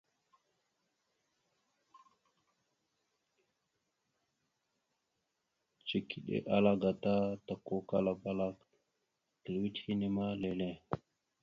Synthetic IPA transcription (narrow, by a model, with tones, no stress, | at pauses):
t͡ʃi˨ki˨ɗḛ˦ʔa˦la˦ɡa˨ta˦ta˨ko˦ka˦la˨ba˦la˦k | ki˨lwi˦thi˦ni˦ma˦le˨le˦˨